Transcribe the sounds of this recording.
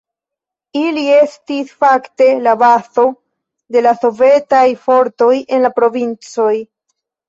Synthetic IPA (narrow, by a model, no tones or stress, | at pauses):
ilie̞stisfakte̞labaso̞ | de̞laso̞ve̞tajfo̞ɾto̞je̞nlapɾo̞vint͡so̞j